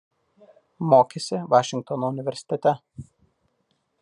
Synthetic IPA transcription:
moːkʲesʲɪʋɑːʃʲɪŋk̚t̪ɔnoʊnʲɪʋʲɛɾʲsʲɪ̥t̪ʲɛt̪ʲɛ

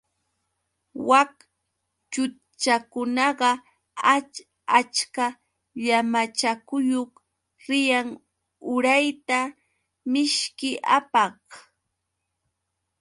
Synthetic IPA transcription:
wak | t͡ʃʊ | t͡ʃakʊnɑɢɑ | a | at͡ʃka | ʎamat͡ʃakʊjoχ | ɾɪjaŋ | ʊɾajt̪a | mɪʃkɪʔa̰pɑh

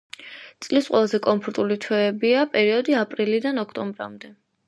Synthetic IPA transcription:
t̪sʼlisqʼwɛlˠazɛkʼɔmpʰɔɾt̪ʼulit̪ʰwɛːbiapʼɛɾiɔd̪iapʼɾilid̪anɔkʰt̪ʼɔmbɾa̰md̪ɛ

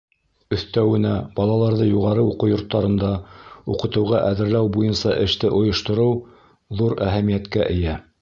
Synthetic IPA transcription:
ɵ̆θt̪æwɘ̆næb̥ɑlˠɑlˠɑɾðɤjuʁɑɾɤuqɤwjŏɾt̪ːɑɾɤ̆nd̪ɑuqɤ̆t̪ɤ̆wʁɑʔæðɘ̆ɾlæwbujɤnsɑʔɘ̆ʃt̪ɘʔŏjŏʃt̪ŏɾɤw | ðuɾæɦæmijæt̪kæʔɘ̆jæ

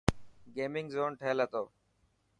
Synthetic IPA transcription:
ɡeːmɪŋɡzoːnʈʰeːlɦət̪oː

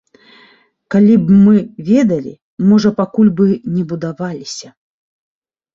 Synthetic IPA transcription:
kalʲibmɨvʲɛd̪ɐlʲḭ | mɔʐɐpakulʲbɨnʲɛbud̪avalʲisʲɐ

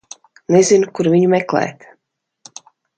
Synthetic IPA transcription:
nɛzʲinkuɾvʲiɲumɛklˠɛ̰ːt̪

